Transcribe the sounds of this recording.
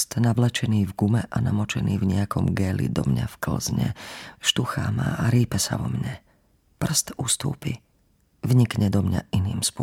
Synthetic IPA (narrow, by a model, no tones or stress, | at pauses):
st̪naʋlɛt͡ʃɛniːvɡumɛʔanamɔt͡ʃɛniːvɲɛjakɔmɡɛːlḭd̪ɔmɲafkl̩zɲɛ̰ʃt̪uxamaaɾiːpɛsaʋɔmɲɛ | pr̩st̪ust̪uːpi | vɲikɲɛd̪ɔmɲa̰ʔiniːmspʊ